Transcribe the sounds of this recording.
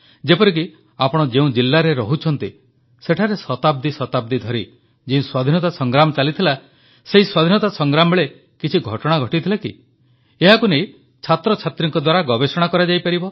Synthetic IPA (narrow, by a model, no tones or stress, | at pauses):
d͡ʒepɔɾik̬i | apɔɽ̃ɔd͡ʒeũd͡ʒilːaɾeɾɔɦut͡ʃʰɔnt̪i | seʈʰaɾesɔt̪ab̚d̪isɔt̪ab̚d̪id̪ʱɔɾi | d͡ʒeũswad̪ʱinɔt̪asɔŋɡɾamɔt͡ʃalit̪ʰila | seɦiswad̪ʱinɔt̪asɔŋɡɾamɔbeɭe | kit͡ʃʰiɡʱɔʈɔɽ̃aɡʱɔʈit̪ʰilakḭ | eɦakunej | t͡ʃʰat̪ɾɔt͡ʃʰat̪ɾiŋkɔd̪waɾaɡɔbesɔɽ̃akɔɾad͡ʒajpaɾibɔ